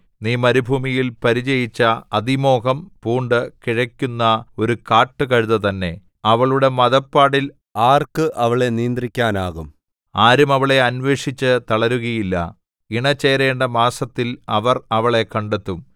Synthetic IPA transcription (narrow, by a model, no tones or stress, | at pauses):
niːmɐɾubʱuːmijilpɐɾit͡ɕɐjit͡ɕːɐɐðimo̞ːɣɐmpuːɳɖɨkiɻɐkʲːunːɐo̞ɾukaːʈːɨkɐɻuðɐt̪ɐnːe̞̰ | ɐʋɐɭuɽe̞mɐðɐpːaːɽil | aːrkɨʔɐʋɐɭenijnd̪rikʲːaːnaːɣum | aːɾumɐʋɐɭe̞ɐnʋe̞ːʂit͡ɕːɨt̪ɐɭɐɾuɣɐjilːɐ̰ | iɳɐt͡ɕːeːjɾe̞ːɳɖɐmaːsɐt̪ːilɐʋɐrɐʋɐɭe̞kɐɳɖet̪ːum